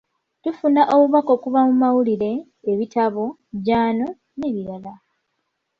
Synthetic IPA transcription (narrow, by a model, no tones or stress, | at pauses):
tufunaʔo̞βuβako̞kuβamumawuliɾe̞ː | βitaβo̞ | ɟaːno̞ | ne̞βiɾala